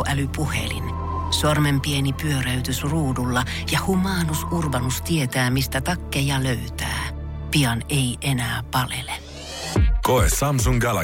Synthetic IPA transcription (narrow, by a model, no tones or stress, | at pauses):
ʔælypuhḛlḭn | sɑrmempienipyøɾæyt̪ysruːdulːɑ | jɑhumɑːnusʔurbɑnust̪iet̪æːmist̪æt̪ɑkːejɑløyt̪æ̰ː | piɑneiʔenæːpɑlḛle | koesɑms̬uŋɡælæ̰